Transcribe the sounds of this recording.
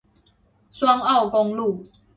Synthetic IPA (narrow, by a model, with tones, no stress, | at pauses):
swa˦ŋa˥˨ʊkɔ˦ŋlu˥˨